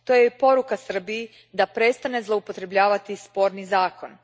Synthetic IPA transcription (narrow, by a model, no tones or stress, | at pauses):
t̪o̞jepo̞ɾukasr̩bii | d̪apɾe̞t̪st̪ane̞zlˠo̞upo̞t̪ɾe̞bʎaːʋat̪ispo̞ɾnizaːko̞n